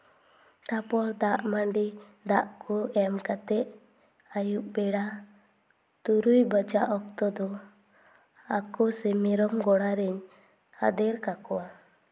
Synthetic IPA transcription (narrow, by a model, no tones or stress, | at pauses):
ʈapɔɾd̪aʔmaɳɖi | d̪aʔkʰuɛmkat̪ɛʔ | ajuʔ̚bɛɽa | t̪uɾujbəd͡ʒaʔɔk̚t̪ɔd̪ɔ | akɔsɛmɛɾɔmɡɔɽaɾɛɲ | a̰d̪ɛɾkakɔwa